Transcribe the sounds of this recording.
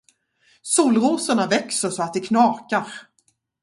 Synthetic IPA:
suːlɾuːsəɳavɛksəʂɔat̪̚d̪ɛkʰnɑːkaɾ

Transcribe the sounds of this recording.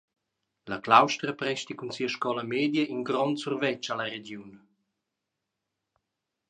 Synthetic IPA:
laklawʃt̪ɾəpɾɛʃt̪ikunsiːəʃkɔləmeːd̪jəʔinɡɾɔntsurvɛt͡ʃaləɾeɡjun

